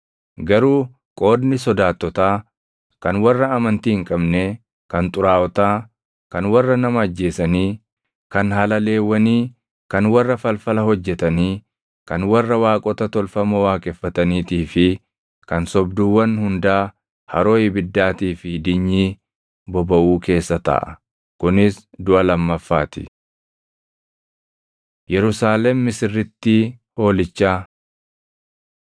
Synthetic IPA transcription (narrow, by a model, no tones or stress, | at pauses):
ɡɐɾuː | kʼo̞ːd̪nɪsɔd̪aːt̪ːɔt̪aː | kɐnwɐrːɐɐmɐnt̪iːhɪŋkʼɐbne | kɐnt̪ʼʊɾaːɔt̪aː | kɐnwɐrːɐnɐmɐɐd͡ʒːeːsɐniː | kɐnhɐlɐle̞ːwːɐniː | kɐnwɐrːɐfɐlfɐlɐhɔd͡ʒːɛt̪ɐniː | kɐnwɐrːɐwaːkʼɔt̪ɐt̪ɔlfɐmɐwaːkʼɛfːɐt̪ɐniːt̪iːfɪ | kɐnsɔbd̪uːwːɐnhʊnd̪aː | hɐ̰ɾo̞ːjɪbɪd̪ːaːt̪iːfɪd̪ɪɲːiː | bɔbɐʔuːke̞ːsːɐt̪ɐ̰ʔɐ̰ | kʊnɪsd̪ʊʔɐlɐmːɐfːaːt̪ɪ̥̰ | jɛɾʊsaːlɛmːɪsɪrːɪt̪ːi | o̞ːlɪt͡ʃːaː